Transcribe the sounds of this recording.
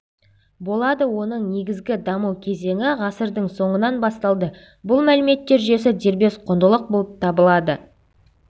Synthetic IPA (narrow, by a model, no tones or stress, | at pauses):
bo̞lˠɑd̪əwo̞nəɴne̞ɡʲɪzɡʲɪd̪ɑməwkʲʰe̞ze̞ŋɪʁɑsəɾd̪əɴso̞ɴənɑnbɑst̪ɑlˠd̪ə | bʊlˠmælɪme̞t̪ːe̞ɾʒʏje̞s̬ɪd̪e̞ɾbe̞sqʰond̪əlˠəq̚bo̞lˠəp̚t̪ʰɑbəlˠɑd̪ə